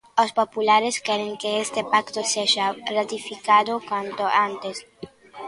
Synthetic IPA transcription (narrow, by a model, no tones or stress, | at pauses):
ospopulaɾeskɛɾeŋkeest̪epakt̪oseʒarat̪ifikad̪okwant̪oant̪es